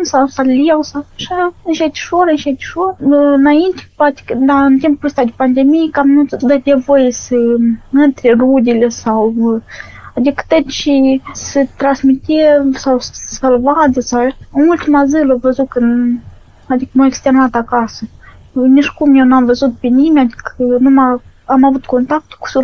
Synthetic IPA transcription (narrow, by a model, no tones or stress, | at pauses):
nsawsaliɛwsawʃaʃɛt̪ʃuɾənʃɛt̪ʃunaint̪kpat̪i̥knd̪ant̪imppust̪ad̪ipand̪ɛmikamnut̪ðɛd̪ʲɛvɔjsəmənt̪ɾʲiɾud̪ʲilɛsaw | ad̪ikt̪ɛt̪t͡ʃisət̪ɾasmit̪iɛsawssalvad̪əsaumulʲt̪mazɨləvəzukən | ad̪ikmɔɛkst̪ɛɾnat̪akasə | ɲəʃkumɔnamvəzut̪̚pinimad̪ikənuma | amavut̪ukɔnt̪ak̚t̪u̥ku̥su